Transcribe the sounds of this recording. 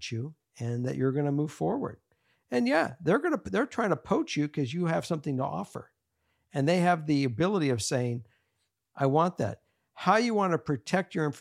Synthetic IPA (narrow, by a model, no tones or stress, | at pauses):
t͡ʃʉ | ɨ̃nðɨ̰t͡ʃə˞ɡʌnəmuv̥fɔɹwə̰˞d̥̚ | ɨ̃njæðə˞ɡʌnəðə˞tʰɹ̥aɪɪ̃ŋtʰəpʰoʊt͡ʃjɨkʰʌzjɨɨv̥sʌ̃mθɪ̃ŋtʰə̰ʔɔ̰fə̰˞ | ɨ̃nðeɪɨvðiɨbɪlˠəɾiʌv̥seɪɪ̃ŋ | ʔaɪwɑ̃nðæ̰t̚ | haʊɨjɨwɑ̃nɨpʰɹ̥ɨtʰɛk̚t͡ʃə˞ɪ̃f